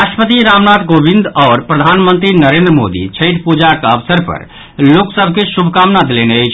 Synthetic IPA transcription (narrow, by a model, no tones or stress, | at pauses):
ɾaʃʈəpət̪iɾamnat̪ɡobind̪ɔːɾpɾəd̪ʱanmənt̪ɾinəɾend̪ɾəmo̰d̪ḭt͡ʃʰəʈpud͡ʒakəbsəɾpə̰ɾ | loksəbʱkesubʱkamnad̪eleneəjt͡ʃʰ